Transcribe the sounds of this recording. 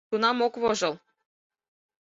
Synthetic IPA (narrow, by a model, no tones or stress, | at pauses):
unɑmokβoʒɤ̆lˠ